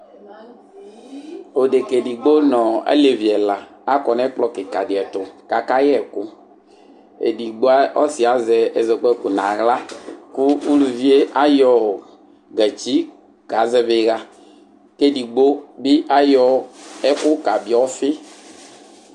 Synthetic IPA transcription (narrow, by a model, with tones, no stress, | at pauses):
o˨ɖe˨ke˨ɖi˨ɡ͡bo˦nɔ̃˨ḛ˦le˨vi˨ɛ˨la˨ | a˦kɔ˨nɛ̃˦k͡plɔ˦ke˨ka˨de˨ɛ˨t̪o˨ka˨ka˦jɛ˦ɛ˨kʊ˦ | ḛ˨di˨ɡ͡bo˦a˦ɔ̰˦si˨a˨zɛ˨ɛ˨zɛ˨k͡pɔ˦ku˨nã˨ɣla˦ku˦u˦lu˨vi˦e˦ʔa˦jɔ˨ | ɡɛ˨t͡ʃi˦ | ka˨zɛ˦ve˨ɣa˦ | ke˦ɖi˨ɡ͡bo˦bi˦ʔa˦jɔ˦ɛ˦kʊ˦ka˨bi˨˦ɔ˦fɪ˦